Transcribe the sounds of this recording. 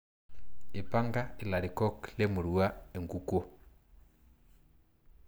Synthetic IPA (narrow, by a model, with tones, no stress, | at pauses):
e˨pa˦ŋɡa˦e˨la˨ɾi˨kɔ˦kle˦mu˨ɾu˨a˦e˨ŋɡu˨ko˦